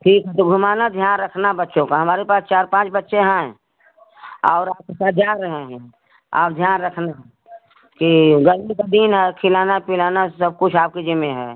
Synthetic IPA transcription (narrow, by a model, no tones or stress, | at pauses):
ʈʰiːkɦɛt̪oɡʱʊmaːnad̪ʱjaːnɾəkʰnaɦbətːʃõkaɦɐmaːɾepaːst͡ʃaːɾpãːt͡ʃbətːʃeɦɛ̃ | ɔ̰ːɾaːp̚kesaːt̪̚d͡ʒaːɾəɦeɦɛ̃ | a̰ːp̚d̪ʱjaːnɾəkʰnaɦ | kiɡəɾmikad̪inɦɛkʰɪlaːnapɪlaːnasəb̚kʊt͡ʃʰaːp̚ked͡ʒɪmːeɦɛː